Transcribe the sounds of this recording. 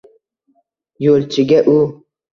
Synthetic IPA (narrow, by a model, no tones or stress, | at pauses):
jolt͡ʃiɡʲɐʔu